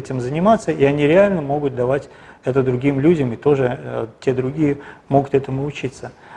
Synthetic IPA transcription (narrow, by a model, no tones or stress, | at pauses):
ɛtʲɪmzənʲɪmat̪sːəiɐnʲiɾʲɪalʲnəmo̞ɡʊt̪̚d̪ɐvatʲ | ɛt̪əd̪ɾʊɡʲimlʲudʲəmɪt̪o̞ʐɨtʲe̞d̪ɾʊɡʲijəmo̞ɡʊt̪ɛt̪əmʊʊt͡ɕit̪sə